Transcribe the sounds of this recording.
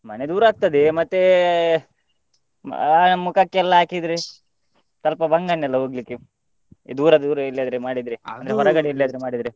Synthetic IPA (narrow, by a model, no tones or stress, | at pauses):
mɐned̪uːɾaːɡ̚t̪ɐd̪emɐt̪ːe | mukɐkːeɛlːɐaːkid̪ɾe | t̪ɐlpɐbɐŋɡɐnːɛlːɐɦoːɡlikːḛ | d̪uːɾɐd̪uːɾɐilːjad̪ɾemaːɽid̪ɾeɐnd̪ɾeɦɔɾɐɡɐɽeilːjaːd̪ɾemaːɽid̪ɾe